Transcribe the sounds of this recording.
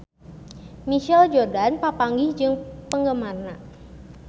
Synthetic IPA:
miʃɛld͡ʒɔrdanpapaŋɡɪhd͡ʒɨŋpəŋɡəmarna

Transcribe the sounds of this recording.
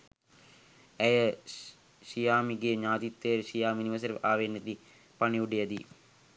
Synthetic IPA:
æjə | ʃijaːmiɡeɲaːt̪it̪ːejɾʃijaːminiʋəs̬əɾʋʔaːʋenːet̪i | paniuɖejɐd̪i

